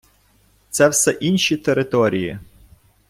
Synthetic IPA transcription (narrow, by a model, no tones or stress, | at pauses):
t̪sɛwsɛʔinʲʃit̪eɾɪt̪ɔɾʲiji